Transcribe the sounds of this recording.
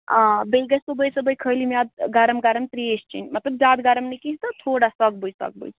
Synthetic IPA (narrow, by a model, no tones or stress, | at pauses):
beɡəsəbəjsəbəjkʰəjlimjad̪̚ɡaɾəmɡaɾəmt̪ɾiest͡ʃʰḭnmɐt̪ləb̚d͡ʒaːd̪ɡaɾəmnikit̪ɔt̪ʰoɽasəɡ̚bəjd͡ʒsə̰ɡ̚bə̰t͡ʃ